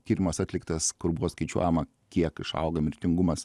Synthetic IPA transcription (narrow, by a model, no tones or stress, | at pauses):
kʲiːɾʲɪmɐsɑːt̪ʲlʲɪkt̪ɐskʊɾbʊʋoːskɐɪt͡ʃʲṵɔjɛmɐ | kʲiɛkɪʃɐ̰ʊɡɐmʲɪɾʲt̪ʲɪŋɡʊmɐs